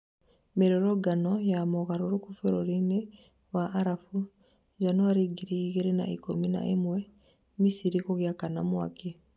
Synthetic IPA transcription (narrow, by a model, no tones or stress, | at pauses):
meɾoɾoɡanojamoɣaɾoɾukufeɾoɾini | waʔːɾafu | d͡ʒanoaɾiɡiɾiiɣeɾena̰ʔḭkomina̰ʔemwe | misiɾikoɣjakana̰mwa̰ke